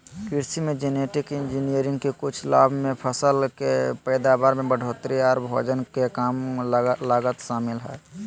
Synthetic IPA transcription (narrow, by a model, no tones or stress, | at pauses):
kɪɾsimẽd͡ʒeːneʈɪkɪnd͡ʒinijəɾɪ̃ŋɡkekʊt͡ʃʰlaːbʱmẽpʰəsəlkepəɪd̪abaːɾmẽbəɖʱoːt̪ɾiaːɾbʱo̰ːd͡ʒənkekaːmlaːɡət̪ʃaːmɪlɦɛ̰ː